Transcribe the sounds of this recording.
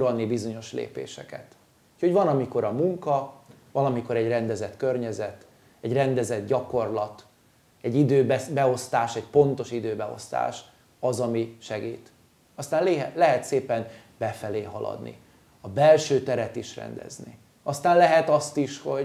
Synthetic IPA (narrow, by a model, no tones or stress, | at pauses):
ɒlnibizo̞ɲo̞ʃlḛːpḛːʃɛkɛ̰t̪ | ucho̞ɟvɒnɒmiko̞ɾɒmuŋkɒ | vɒlɒmiko̞ɾɛɟrɛnd̪ɛzɛt̪kørɲɛzɛt̪ | ɛɟrɛnd̪ɛzɛd̪̚ɟɒko̞rlɒt̪ | ɛɟid̪øːbɛbɛo̞st̪aːʃɛcpo̞nt̪o̞ʃid̪øːbɛo̞̰st̪a̰ːʃ | ɒzɒmiʃɛɡiːt̪ | ɒst̪aːnleɦɛlɛɦɛt̪seːpɛn | b̥ɛfɛleːɦɒlɒ̰d̪nḭ | ɒbɛlʃøːt̪ɛɾɛt̪iʃrɛ̰nd̪ɛ̰znḭ | ɒst̪aːnlɛɦɛt̪ɒst̪iʃho̞